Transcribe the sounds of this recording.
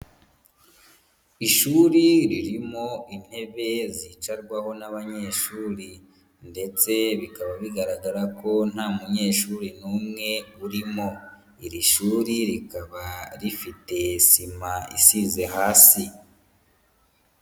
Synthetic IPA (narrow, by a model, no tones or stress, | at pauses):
iʃuːɾiɾiɾimo̞in̥he̞βe̞zit͡ʃaɾɡwaho̞naβaɲe̞ːʃuːɾi | nde̞t͡se̞βikaβaβiɡaɾaɡaɾako̞n̥haːmuɲe̞ːʃuːɾinuːmŋe̞βuɾimo̞ | iɾiʃuːɾiɾikaβaɾifite̞simaḭsize̞haːsi